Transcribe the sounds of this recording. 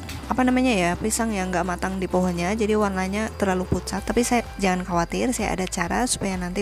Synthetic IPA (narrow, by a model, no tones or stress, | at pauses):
ʔapanamaɲajapisaŋjaŋɡaʔmat̪aŋdipɔɦɔnɲad͡ʒadiwanaɲat̪ərlaluput̪sat̪ːapisajad͡ʒaŋankawat̪ɪrsaja̰ʔa̰dat͡ʃaɾasu̥pajanant̪i